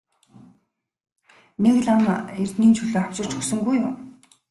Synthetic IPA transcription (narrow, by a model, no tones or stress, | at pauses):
nekɮamert̪niːnt͡ɕʰuɮoːaw̥̚pt͡ɕʊ̆r̥t͡ɕʰɵ̥ksɵ̆ŋɡujʊn